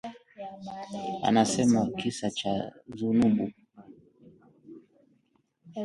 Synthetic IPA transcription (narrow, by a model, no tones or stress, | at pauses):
a̰nasɛmakisat͡ʃazunuɓu